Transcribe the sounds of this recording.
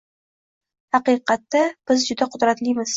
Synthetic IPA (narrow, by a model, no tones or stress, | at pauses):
hɑqiqɑt̪ːab̥ɪzd͡ʒʊd̪aqʰʊd̪ɾat̪limɪz̥